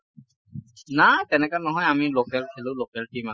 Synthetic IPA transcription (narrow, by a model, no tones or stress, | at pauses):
natɛnɛkanɔɦɔjamilokɛlkʰɛlʊ̃lokɛltima